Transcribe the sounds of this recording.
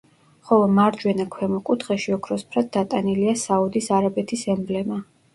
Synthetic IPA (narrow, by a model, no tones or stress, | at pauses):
χɔlˠɔmaɾd͡ʒwɛnakʰwɛmɔkʼut̪ʰχɛʃiɔkʰɾɔspʰɾad̪̚d̪at̪ʼaniliasaud̪isaɾabɛt̪ʰisɛmblɛma